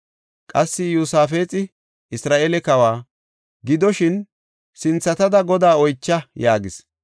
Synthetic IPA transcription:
kʼɐsːɪjuːsaːfe̞ːt͡sʼɪ | ɪsɾaːʔeːlɛkɐwaː | ɡɪd̪ɔʃɪn | sɪnt͡sːɐt̪ɐd̪ɐɡɔd̪aːɔjt͡ʃːɐjaːɡɪs

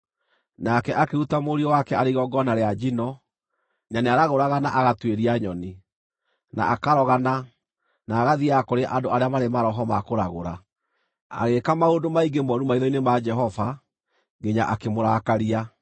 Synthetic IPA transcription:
nakɛʔakeɾutamoɾiɔwakɛaɾiɣɔɡɔnaɾead͡ʒinɔ | ɲaneaɾaɣoɾaɣanaʔaɣatweɾiaɲɔni | na̰akaɾɔɣana | naːɣaðiakoɾeʔandoaɾeamaɾemaɾɔɦɔmakoɾaɣoɾa | a̰ɣekamaodomaiɡemɔɾumaiðɔinemad͡ʒɛɦɔva | ɡeɲaʔakemoɾakaɾia

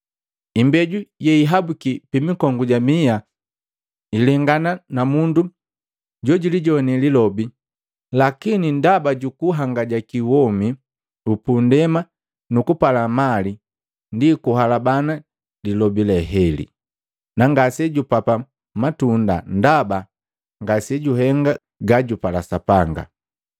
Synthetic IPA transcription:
imbɛɟujɛiɦabukipimikɔŋɡuɟamia | ilɛŋɡananamundu | ɟɔɟuliɟɔnɛlilɔbi | lakinindabaɟukuɦaŋɡaɟakiwɔmi | upundɛma | nukupalamali | ndikuɦalabana | lilɔbilɛɦɛlḭ | naŋɡasɛɟupapa | matunda̰ndaba | ŋɡasɛɟuɦɛŋɡa | ɡaɟupalasapaŋɡa̰

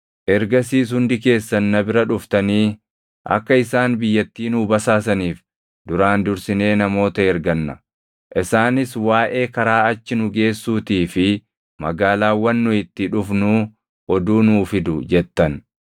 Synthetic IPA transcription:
ʔɛɾɡɐsiːs̬hʊnd̪ɪke̞ːsːɐnːɐbɪɾɐᶑʊft̪ɐniː | ʔɐ̰kːɐɪsaːnbɪjːɐt̪ːiːnuːbɐsaːs̬ɐniːf | d̪ʊɾaːnd̪ʊɾsɪne̞ːnɐmo̞ːt̪ɐɛɾɡɐnːɐ | ʔɪsaːnɪswaːʔe̞ːkɐɾaːɐt͡ʃːɪnʊɡe̞ːsːuːt̪iːfɪ | mɐ̰ɡaːlaːwɐnːʊɪt̪ːɪᶑʊfnuː | ɔd̪uːnuːfɪd̪ʊd͡ʒɛt̪ːɐn

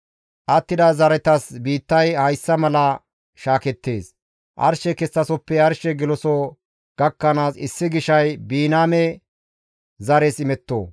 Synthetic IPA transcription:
ʔɐt̪ːɪd̪ɐzɐɾɛt̪ɐsbiːt̪ːɐjhɐjsːɐmɐlɐ | ʃaːkɛt̪ːe̞ːs | ʔɐ̰ɾʃɛkɛsːɐsɔpːɛɐɾʃɛɡɪlɔso | ɡ̥ɐkːɐnaːsɪ̰sːɪɡɪʃɐjbiːnaːmɛ | zɐɾɛsɪmɛt̪ːo̰ː

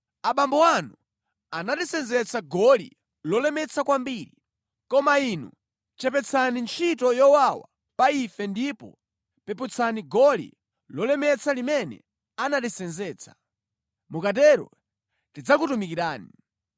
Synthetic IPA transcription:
aɓambɔwanu | anatisɛnzɛt͡saɡɔlḭ | lɔlɛmɛt͡sʰakwambiɾi | kɔmainṵ | t͡ʃɛpɛt͡sʰanint͡ʃʰitɔjɔwawa̰ | paifɛndipɔ̰ | pɛput͡sʰaniɡɔlḭ | lɔlɛmɛt͡sʰalimɛnɛ̰ | anatisɛnzɛːt͡sʰḁ | mukatɛɾɔ̰ | tid͡zakutumikiɾaːni

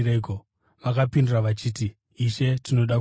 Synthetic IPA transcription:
ɾeko | ʋakapinduraʋat͡ʃiːt̬iː | ʃe̞tino̞ɗak

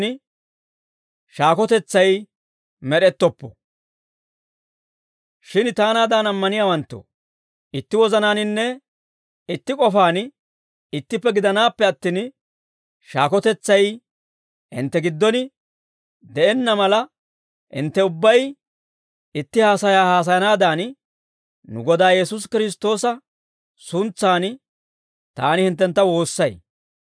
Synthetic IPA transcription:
nɪ | ʃaːkɔt̪ɛt͡sːɐj | mɛɗɛt̪ːɔpːɔ̰ | ʃɪnt̪aːnaːd̪aːnɐmːɐnɪjaːwɐnt̪ːo̰ | ʔɪt̪ːɪwɔzɐnaːnɪnːɛ | ɪt̪ːɪkʼɔfaːn | ɪt̪ːɪpːɛɡɪd̪ɐnaːpːɛɐt̪ːiːn | ʃaːkɔt̪ɛt͡sːɐj | hɪ̰nt̪ːɛɡɪd̪ːɔnɪ | d̪ɛʔɛnːɐmɐlɐ | hɪ̰nt̪ːɛʊbːɐj | ɪt̪ːɪhaːsɐjaːhaːs̬ɐjɐnaːd̪aːn | nʊ̰ɡɔd̪aːjɛsuʊs̬kɪɾɪs̬t̪o̞ːsɐ | sʊnt͡sːaːn | t̪aːnɪhɪnt̪ːɛnt̪ːɐwo̞ːsːɐj

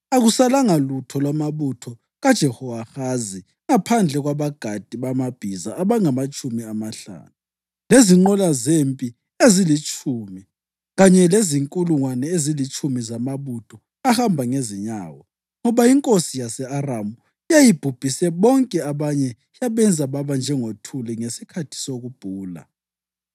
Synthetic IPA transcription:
aɣusalaŋalutʰɔlwamaβutʰɔ | ɣad̥ʒ̥ʱɛhɔaxazi | ŋapʰand͡ɮʱɛɣwaβaɡ̥ʱad̥ʱiβamab̥ʱizaːβaŋamat͡ʃʼumiamaɬa̰ːnu | leziŋ͡ǃɔlazempʼi | ezilit͡ʃʼuːmi | lɣaɲɛleziŋkʼuluŋwanɛezilit͡ʃʼumizamaβud̥ʱɔ | ahambʱaŋeziɲa̰ːwɔ | ŋɔβaiŋkʼosijasɛaramu | jajib̥ʱub̥ʱisɛβɔŋkʼɛaβaɲɛ | jaβɛnd͡zʱaβaβand͡ʒʱɛŋotʰulɛŋesikʰatʰi̥soɣub̥ʱuːla̰

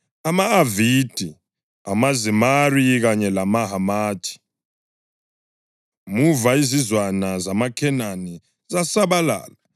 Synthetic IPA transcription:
amaːvid̥ʱi | amazimariɣaɲɛlamaɦamaːtʰʼi̥ | muvaizizwanazamakʰɛnani | zasaβala̰ːla

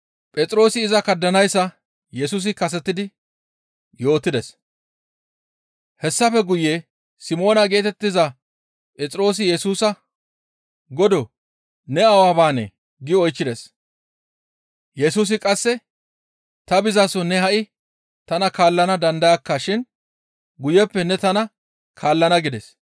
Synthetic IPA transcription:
pʼɛt͡sʼɾo̞ːsɪːzɐkɐd̪ːɐnɐjsːɐ | jɛs̬uːs̬ɪkɐs̬ɛt̪ːɪd̪ɪ | jo̞ːt̪ːɪd̪ɛs | hɛsːɐfɛɡʊje | sɪmo̞ːnɐɡe̞ːt̪ɛt̪ːɪzɐ | pʼɛt͡sʼɾo̞ːs̬ɪjɛsuːsɐ | ɡɔd̪ɔ | nɛɐwaːbaːnɛ̰ | ɡɪɔjt͡ʃːɪd̪ɛs | jɛsuːs̬ɪkʼɐsːɛ | t̪ɐbɪzasɔnɛɦɐʔɪ | t̪ɐnɐkaːlːɐnɐd̪ɐnd̪ɐjɐkːɐʃɪn | ɡʊjɛpːɛnɛt̪ɐnɐ | kʰaːlːɐnɐɡɪd̪ɛs

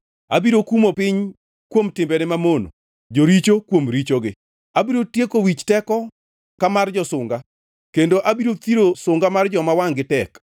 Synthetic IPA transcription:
abiɾokumopɪɲ | kwomtɪmbɛnɪmamono̰ | d͡ʒoɾit͡ʃokwomɾit͡ʃoɡɪ | abiɾotjekowit͡ʃtɛkɔ | kamard͡ʒɔsʊŋɡa | kendoʔabiɾot̪iɾosʊŋɡamard͡ʒɔmawaŋɡɪtɛk

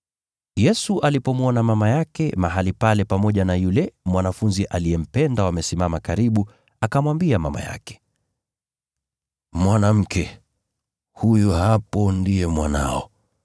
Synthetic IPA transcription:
jɛsuʔalipɔmuɔnamamajakɛmaɦalipalɛpamɔʄanajulɛmwanafunziʔalijɛm̩pɛndawamɛsimamakaɾiɓu | akamwambiama̰ma̰ja̰kɛ̥ | mwanam̩kɛ | hujuhapɔndiɛmwana̰ɔ

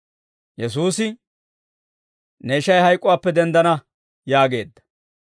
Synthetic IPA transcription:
jɛs̬uːsɪ | nɛɪʃɐjhɐjkʼʊwaːpːɛd̪ɛnd̪ɐnɐ | jaːɡe̞ːd̪ːɐ̥

